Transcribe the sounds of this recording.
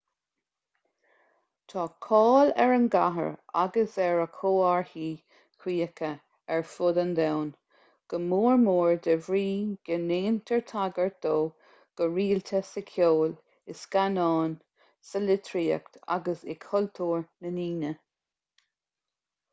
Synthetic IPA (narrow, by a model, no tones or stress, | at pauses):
t̪ʰɑːkʰɑːlɛ̰ɹənɡaɦə̰ɹa̰ɡəsɛɹəkʰoːaɹhiː | kʰwiːəkʰə | ɛɹfʊd̪ənd̪ɛwn | ɡ̥əmuːɹmuːɹd̪əvɹiːɡ̥əneːnt̪ʰəɹt̪ʰaɡəɹt̚d̪̥oː | ɡ̥əɹiːlt̪ʰəsəkʰjoːl | ɪskanɑːn | səlɪt̪ʰɾiːə̰kt̪ʰa̰ɡəsɪkʰhɔlt̪ʰuːɹnəniːnə